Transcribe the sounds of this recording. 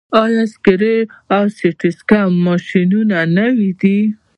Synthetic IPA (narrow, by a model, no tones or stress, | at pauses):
ɑjɑskɪɾeawseʈɪskamɑʃinunanawid̪i